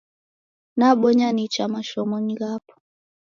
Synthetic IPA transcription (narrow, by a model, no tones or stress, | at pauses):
naɓɔɲanit͡ʃamaʃɔmɔɲiɣapɔ̥